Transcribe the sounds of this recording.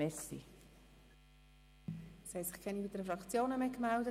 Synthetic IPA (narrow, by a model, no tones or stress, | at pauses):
ɛsḭ | shɛsɪχkʰɛnibid̪əɾəfɾɑkt͡sjoːnəmekmɛldə